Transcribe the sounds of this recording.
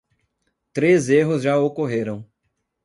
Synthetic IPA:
t̪ɾezeɦʊzʒaokoɦeɾɐ̃w̃

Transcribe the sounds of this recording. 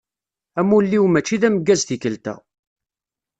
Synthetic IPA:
æmulːiwmæt͡ʃːiðæməɡːæzθikəlt̪æ̰

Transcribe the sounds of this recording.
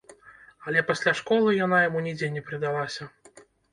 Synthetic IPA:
ɐlʲɛpasʲlʲaʂkɔlˠɨjanajamunʲid͡zʲenʲɛpɾɨd̪alˠasʲɐ

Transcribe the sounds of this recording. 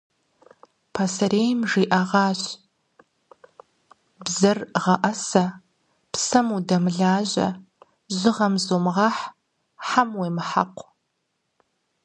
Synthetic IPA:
pʰɐsɐɾeːjmʒiːʔɐʁɑːɕ | bzɐrʁɐʔɐsɐ | psɐmudɐmɨɮaːʑɐ̰ | ʒɨʁɐmzoːmʁɑːħ | ħamweːmɨħa̰qʷ

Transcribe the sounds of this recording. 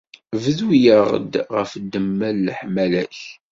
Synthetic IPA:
vəðwijəʁə̰d̪ʁəfd̪əmːælːħmælæç

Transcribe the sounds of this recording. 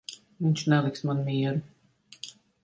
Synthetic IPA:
viɲʲt͡ʃnɛlˠiksmanmiɛɾu

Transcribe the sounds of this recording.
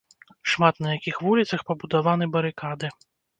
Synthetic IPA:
ʂmat̪nɐjakʲixvulʲit̪sɐxpɐbud̪avanɨbɐɾɨkad̪ɨ

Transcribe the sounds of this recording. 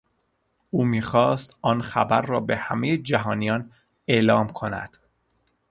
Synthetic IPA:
ʔuːmiːxɒːst̪ɒːnxæbæɾːɒːbe̞hæmejed͡ʒæɦɒːnijɒːn | e̞ʔlɒːmkʰo̞næ̰d̪̥

